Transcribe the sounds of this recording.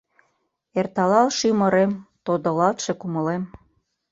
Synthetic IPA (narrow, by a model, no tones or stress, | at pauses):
ert̪ɑlɑlʃymɤ̆ɾemt̪od̪ɤ̆lɑt̪ʃĕkumɤ̆lem